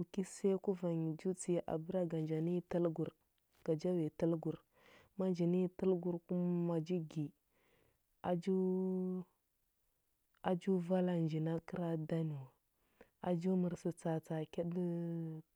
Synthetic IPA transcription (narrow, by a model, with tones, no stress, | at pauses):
u˨ki˦se˦ku˦va˨n˨d͡ʒu˦t͡si˦˨ʔa̰˨bu˦ɾa˦ɡa˨nd͡ʒa˨ni˦ta˦lɡu˨ɾ | ɡ̥a˨d͡ʒa˦wi˨ta˦lɡu˨ɾ | ma˦nd͡ʒi˨ni˦tə˦lɡu˦ɾku˦m˦ma˨d͡ʒi˦ɡi˨ | a˨d͡ʒu˦ | a˨d͡ʒu˦va˦la˨nd͡ʒi˨na˦kə˦ɾa˦da˦ni˨wa˨ | a˨d͡ʒu˦mə˨ɾsu˨t͡sa˨t͡sa˨ki˦d